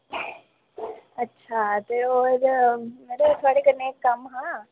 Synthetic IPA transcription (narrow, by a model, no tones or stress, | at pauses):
ɐtːʃʰat̪eoːɾmeːɾet̪ʰoaːɽikɐɾneːkːɐmɦãː